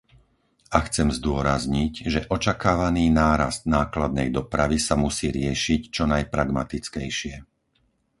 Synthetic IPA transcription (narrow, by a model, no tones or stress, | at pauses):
axt͡sɛmzd̪ʊɔɾazɲicʒɛʔɔt͡ʃakaːʋaniːnaːɾa̰st̪̚naːklad̪̚nɛjd̪ɔpɾaʋisamusiːɾɪɛʃict͡ʃɔnajpɾaɡmat̪it͡skɛjʃɪɛ